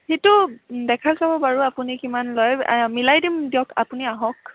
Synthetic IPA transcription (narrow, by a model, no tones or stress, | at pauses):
hitʊdɛkʰazabɔbaɹuapunikimanlɔjmilajdimdiɔkʰa̰puniaɦɔk